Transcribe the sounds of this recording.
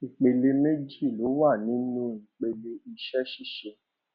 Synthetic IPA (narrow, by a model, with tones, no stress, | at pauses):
i˨k͡pe˧le˧me˦d͡ʒi˦˨lo˨˦wa˦˨nĩ˨˦nũ˦i˨k͡pe˧le˧i˧ʃɛ˦ʃi˦˨ʃe˧